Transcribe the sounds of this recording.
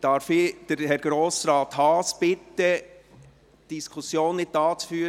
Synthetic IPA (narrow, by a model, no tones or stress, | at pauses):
d̥ɑːɾfɪd̥əɾhɛɾɡ̥ɾoːsɾɑːt̪hɑːsb̥ɪt̪ːə | d̥iskʰusjoːnːɪt̚dɑːt͡sfyːɾ